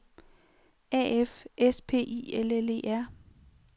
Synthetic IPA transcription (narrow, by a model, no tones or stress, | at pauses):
ɛ̰ːefespʰe̝̰ːʔḭːelele̝̰ːæɐ̰